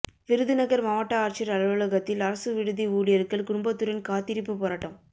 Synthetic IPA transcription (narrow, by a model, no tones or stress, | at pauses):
ʋɪɾɯðɯnɐɣɐɾmɐʋaːʈːaaːɾt͡ʃɐɾɐlɐʋɐlɐɣɐt̪ːɪlɐɾɐsɯʋɪɽɯðiuːɽɪjɐɾɯkːɐlkʊɽʊmbɐt̪ːɯɾɐnkaːt̪ɪɾɪpːɯpɔːɾaːʈːɐm